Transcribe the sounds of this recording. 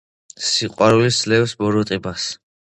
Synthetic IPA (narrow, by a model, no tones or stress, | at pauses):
siqʼwaɾulislɛwsbɔɾɔt̪ʼibas